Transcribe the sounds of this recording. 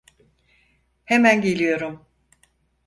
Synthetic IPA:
hemænɟe̞lʲijo̞ɾum

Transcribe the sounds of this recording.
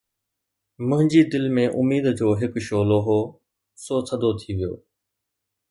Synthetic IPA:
mʊ̃ɦɪ̃ɲd͡ʑiːd̪ɪlmẽʔʊ̰miːd̪d͡ʑoːɦɪkʃoːloːɦoː | soːt̪ʰəd̪ʱot̪ʰiʋijo̰ː

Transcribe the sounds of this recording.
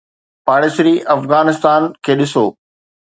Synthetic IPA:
paːɽɪsɾiʔɐfɣaːnɪst̪aːnkʰeːɗɪsoː

